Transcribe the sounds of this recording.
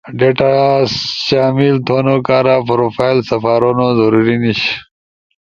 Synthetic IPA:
ɖeʈaɕaːmilt̪ʰonokaːɾapɾoːfaːilsɐfaːɾonozɐɾuɾiniɕ

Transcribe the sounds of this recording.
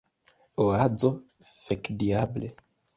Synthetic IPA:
oad͡zo | fekdiable

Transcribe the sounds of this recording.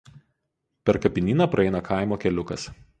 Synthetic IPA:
pʲɛɾkɐpʲɪnʲiːnɐpɾɐɛɪnɐkʰaˑɪmoːkʲɛlʲʊkɐs

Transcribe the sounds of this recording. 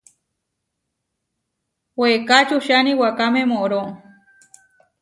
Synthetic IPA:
wekat͡ʃuʃaniwakamẽmoʔɾo

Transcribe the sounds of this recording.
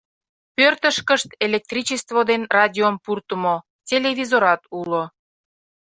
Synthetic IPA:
pørt̪əʃkəʃt̪elʲek̚t̪rʲit͡ɕest̪vod̪enrɑd̪ʲiompurt̪əmo | tʲelevʲizoɾɑt̪ulo

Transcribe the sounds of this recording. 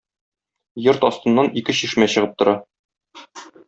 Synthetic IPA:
joɾt̪ɒst̪ɤ̆nːɑnikɘɕiʃmæɕɤ̆ʁɤp̚t̪ŏɾɑ

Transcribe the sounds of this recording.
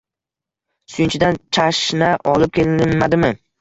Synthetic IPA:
sʊjɪnt͡ʃʰɪd̪ant͡ʃʰaʃnaʔɒlˠɪp̚kʲʰelɪnmad̪ɪmɪ

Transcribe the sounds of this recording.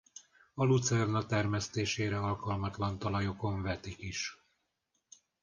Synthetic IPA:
ɒlut̪sɛrnɒt̪ɛrmɛst̪eːʃeːɾɛɒlkɒlmɒt̪lɒnt̪ɒlɒjo̞ko̞ɱvɛt̪ikiʃ

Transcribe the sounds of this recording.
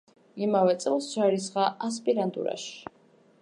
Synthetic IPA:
imavɛt̪sʼɛlˠsd͡ʒaɾisʁaʔas̬pʼiɾand̪ʼṵɾa̰ʃi̥

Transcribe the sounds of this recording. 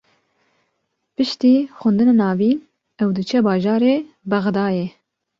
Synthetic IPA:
pɨʃt̪iːxʊnd̪ɨnanɑːviːn | ɛwd̪ɨt͡ʃʰɛbɑːʒɑːɾeː | bɛɣd̪ɑːje

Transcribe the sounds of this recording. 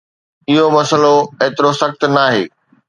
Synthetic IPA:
ɪɦomɐsəloeːt̪ɪɾosɐxt̪naːɦḛː

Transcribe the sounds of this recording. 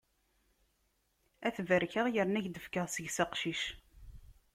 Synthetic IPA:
æθvəɾçəʁjəɾnæʝd̪əfkəðˤsəʝsɑqʃiʃ

